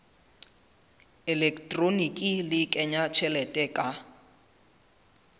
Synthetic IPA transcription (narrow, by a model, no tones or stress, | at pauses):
ɛlɛkʰtʼronikʼilɪkʼɛɲat͡ʃʰɛlɛtʼɛkʼa